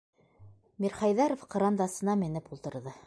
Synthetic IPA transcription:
miɾχɑjðɑɾofqɑ̆ɾɑnd̪ɑsɤ̆nɑmɘ̆nɘpulˠt̪ɤ̆ɾðɤ

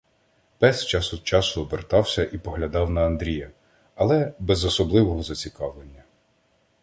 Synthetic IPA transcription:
pɛst͡ʃɑsʊd̪̚t͡ʃɑsʊɔbert̪ɑwsʲɐʔipɔɦlʲɐd̪ɑwnɐːnd̪ɾʲijɐ | ɐlˠɛbɛzɔsɔblˠɪʋɔɦɔzɐt͡sʲikɑʋlˠenʲːɐ

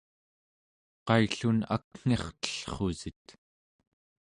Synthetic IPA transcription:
qɑjɬuna̰kŋ̥eχt̪ə̥ɬχozit̪

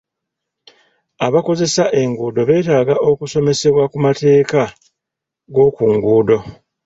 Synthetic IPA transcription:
aβako̞ze̞saʔe̞ŋɡuːdo̞βe̞ːtaːɡaʔo̞kuso̞me̞se̞βwakumate̞ːka | ɡo̞ːkuŋɡuːdo̞

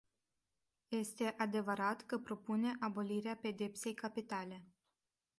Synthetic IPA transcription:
je̞st̪e̞ʔad̪e̞vəɾat̪kəpɾo̞pune̞ʔabo̞liɾeape̞d̪e̞pse̞jkapit̪ale̞

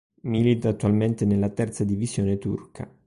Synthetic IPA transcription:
milit̪aːt̪ːualment̪enelːat̪ɛrt̪sad̪ivizjoːnet̪ṵrkʰa̰

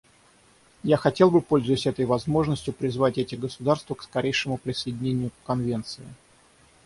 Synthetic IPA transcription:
jaxɐtʲe̞lˠbɨpo̞lʲzʊjɪsʲɛt̪əjvɐzmo̞ʐnəsʲtʲjʊpɾʲɪzvatʲɛtʲɪɡəsʊd̪arst̪vəkskɐɾʲejʂɨmʊpɾʲɪsəjɪdʲɪnʲenʲɪjʊpkɐnvʲe̞nt̪sɨɪ̰

